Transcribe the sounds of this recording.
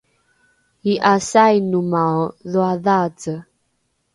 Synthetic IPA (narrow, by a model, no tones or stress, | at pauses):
iʔasajnumaðuaðat͡sə